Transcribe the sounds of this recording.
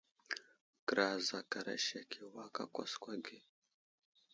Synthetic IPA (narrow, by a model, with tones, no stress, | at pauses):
kɾa˨za˨ka˨ɾa̰˨ʃa˨kʰe˨wa˦ka̰˦kʷa̰˦skʷa˦ɡe˦